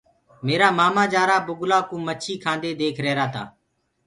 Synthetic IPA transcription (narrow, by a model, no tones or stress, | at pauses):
meːɾaːmaːmaːd͡ʒaːɾaːbʊɡlaːkũːmət͡ʃʰiːkʰãːnd̪eːd̪eːkʰɾɛːɾaːt̪ʰa̰ː